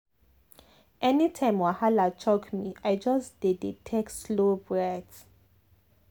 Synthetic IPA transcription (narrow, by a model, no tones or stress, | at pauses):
ʔɛnitʰãj̃mwahalat͡ʃʰɔkmiajd͡ʒasd̥edetʰekslobɹɛt